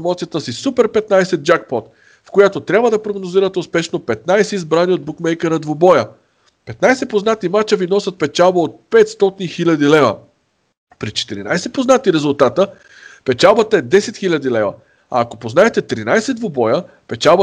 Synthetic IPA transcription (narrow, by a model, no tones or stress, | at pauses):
mɔt̪sijət̪əsisupɛɾpɛt̪najsɛd̪̚d͡ʒakpɔt̪ | fkojat̪ot̪ɾʲabvəd̪ɐpɾoɡnoziɾət̪ɛʊspɛʃnopɛt̪najsɛizbɾaniod̪̚bukmɛjkɛɾəd̪vobɔjə | pɛt̪najsɛpoznat̪imat͡ʃəvinɔsət̪̚pɛt͡ʃalˠbəot̪̚pɛt̪st̪ɔt̪inixilʲɐd̪ilɛvə̰ | pɾit͡ʃɛ̥t̪iɾḭna̰jsɛpoznat̪iɾɛzʊlˠt̪at̪ə | pɛt͡ʃalˠbət̪əɛd̪ɛsɛt̪xilʲɐd̪ilɛvə̰ | a̰ːkopoznaɛt̪ɛt̪ɾinajsɛd̪vobɔjə | pɛt͡ʃalˠbə